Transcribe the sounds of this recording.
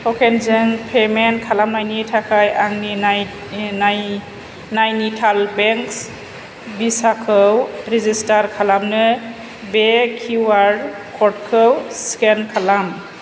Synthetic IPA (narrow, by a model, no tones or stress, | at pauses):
hʰɔkʰenzɯŋpʰemenkʰalamnajnitʰakʰajaŋninaj | naj | najnitʰalbeŋks | bisakʰɯwɾizistaɾkʰalamnɯ | bekʰiwaɾ | kʰɔtkʰɯwskenkʰalam